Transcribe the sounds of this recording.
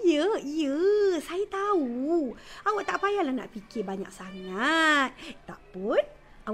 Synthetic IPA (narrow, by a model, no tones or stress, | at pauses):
jəijəsajat̪au | awaʔt̪aʔpajalahna̰ʔpikɪbaɲa̰k̚saŋat̪̚t̪a̰ʔpʊn | aw